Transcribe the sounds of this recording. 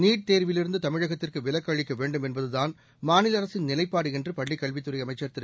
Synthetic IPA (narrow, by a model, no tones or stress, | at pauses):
niːʈ̚t̪eːɾʋɪlɪɾɯnd̪ɯt̪ɐmɪɻɐɣɐt̪ːɪrkɯʋɪlɐkːɐːɻɪkːɐʋeːɳɖɯmɛnbɐðɯðaːn | maːnɪlɐɾɐsɪnnɪlɐɪpːaːɽɯɪndrɯpɐɭːɪkːɐɭʋɪt̪ːɯɾɐɪjɐmɐɪt͡ʃːɐɾt̪ɪɾ